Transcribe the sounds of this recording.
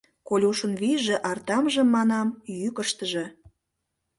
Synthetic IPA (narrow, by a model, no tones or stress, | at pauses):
kolʲuʃənβiʒĕʔɑrt̪ɑmʒəmːɑnɑmjykəʃt̪əʒĕ